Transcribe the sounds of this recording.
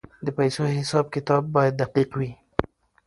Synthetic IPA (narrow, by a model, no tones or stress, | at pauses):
d̪əpajsoɦɪsɑb̚kɪt̪ɑbːɑjad̪̚ːaqiqwi